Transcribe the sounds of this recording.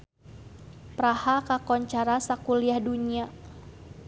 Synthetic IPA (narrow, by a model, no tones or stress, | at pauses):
pɾahakakɔɲt͡ʃaɾasakuliahduɲia